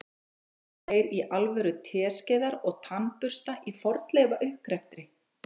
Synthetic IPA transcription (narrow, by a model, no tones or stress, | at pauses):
θeːjɾiʔalvɛɾʏt̪ʰɛːscɛːðaɾɔɣt̪ʰanpʏr̥st̪aʔifɔɾt̪lɛːvaʔʏhkɾɛft̪ɾɪ